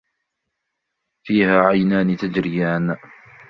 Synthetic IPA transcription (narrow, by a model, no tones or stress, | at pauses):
fiːhaːʕajnaːnɪt̪ad͡ʒɾɪjaːn